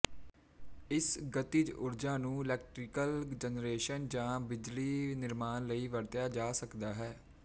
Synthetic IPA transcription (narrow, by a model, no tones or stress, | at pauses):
ɪsɡət̪id͡ʒʊɾd͡ʒãːnũːɪlɛːk̚ʈɾɪkəld͡ʒənɾeːʃənd͡ʒãːbɪd͡ʒliːnɪɾmaːnləiːʋəɾt̪jaːd͡ʒaːsəkd̪aːɦɛː